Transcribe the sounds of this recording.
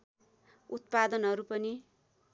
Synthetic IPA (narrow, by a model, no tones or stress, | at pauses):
ut̪̚pad̪ʌnɦʌɾupʌni